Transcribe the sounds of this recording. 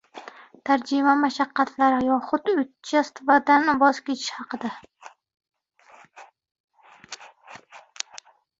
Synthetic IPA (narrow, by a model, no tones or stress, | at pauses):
t̪ʰaɾd͡ʒɪmamaʃaqːɑt̪ʰlaɾɪjɒχʊt̪ʊt͡ʃʰast̪vad̪anɪbɒzkʲet͡ʃʰɪ̥ʃhɑqɨd̪a